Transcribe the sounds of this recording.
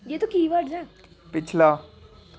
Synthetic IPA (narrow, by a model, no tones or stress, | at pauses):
jeːt̪okiːʋəʈd͡ʒãː | pɪt͡ʃʰlaː